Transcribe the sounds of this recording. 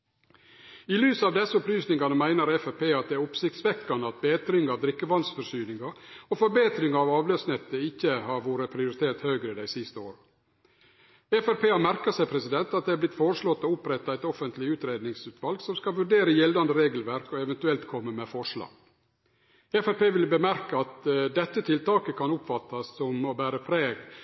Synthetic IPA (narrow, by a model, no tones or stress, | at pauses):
ilyːsɑːʋd̪ɛsːəʊplyːsnɪŋɡɑnəmæɪnəɾɛfɛpeːɑt̪̚d̪ɛæɾʊpsɪkt̪sʋɛkːɑnəɑt̪̚beːt̪ɾɪŋəɑʋd̪ɾɪkːəʋɑnsfɔʂyːnɪŋɑofɔɾbeːt̪ɾɪŋəɑʋɑːʋløːsnɛt̪ːəɪçːəhɑːɾʋoːɾəpʰɾɪʊɾɪt̪ʰeːt̪høːɡɾəɪd̪æɪsɪst̪əoːɾə | ɛfæɾpeːɑɾmæɾkəsæɪpʰɾɛsɪd̪ɛnt̪ɑt̪̚d̪ɛɑblɪt̪foːɾəʂɭɔt̪ːɔʊpɾɛt̪ːɑæɪt̪ɔfənt̪lɪʉːt̪ɾeːd̪nɪŋsʉːt̪ʋɑlɡsɔmskɑlʋʉɖeːɾəjɛld̪ɑnd̪əɾeːɡəlʋæɾkɔɛʋɛnt̪ʉɛlt̪kʰɔmːəmɛfɔʂɭɑ̰ːɡ̥ | ɛfæɾpeːʋɪlbəmæɾkəɑt̪d̪ɛt̪ːət̪ʰɪlt̪ɑːkəkʰɑnʊpfɑt̪ːɑsːɔmɔbæːɾəpʰɾeːɡ